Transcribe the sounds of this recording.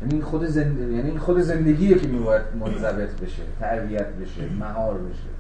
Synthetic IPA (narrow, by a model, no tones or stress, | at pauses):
jæːniinxod̪ezenjæniinxod̪eze̞nd̪e̞ɡʲiːjecʰemiːbɒːjæd̪̥̚mot̪ʰæzæbe̞t̪ʰbe̞ʃet̪ʰæɾbijæt̪ʰbe̞ʃḛmæɦɒːɾbe̞ʃḛ